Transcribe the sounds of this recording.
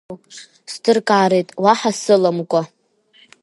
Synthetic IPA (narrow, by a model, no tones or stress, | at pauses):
stʰɨrkʼaːɾejtʼwaħasɨlamkʷʼa